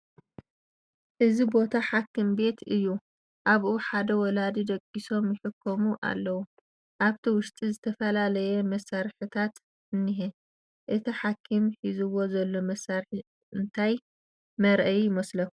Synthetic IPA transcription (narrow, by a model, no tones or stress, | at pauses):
ʔɨzibo̞t̪ʰaħakʰːɨmbe̞t̪ɨjːu | ʔaβʔuħad̪ɐwɔlad̪id̪ɐkʼːiso̞mjɪħɨkʰːomuʔa̰lːɐwu | ʔaβt̪ʰiwʊʃt̪ʼizɨt̪ʰɐfɐlalɐjɛmɐsːaɾħɨt̪ʰat̪ | ɨnːiɦi | ʔɨt̪ʰiħakʰːimħizɨwo̞zɐlːo̞mɐsːaɾħi | ɨnt̪ʰaj | mɐɾʔɐjjɪmɐslɐ